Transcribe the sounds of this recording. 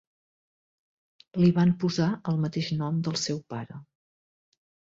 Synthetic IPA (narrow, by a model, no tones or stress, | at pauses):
liβampuzaəlˠmət̪eʃnɔmd̪əlˠsɛwpaɾə